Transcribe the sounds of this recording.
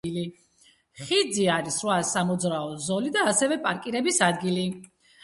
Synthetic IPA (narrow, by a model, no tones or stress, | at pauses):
ili | χid̪ziaɾisɾwasamɔd̪zɾaɔzɔlid̪aːsɛvɛpʼaɾkʼiɾɛbisad̪ɡili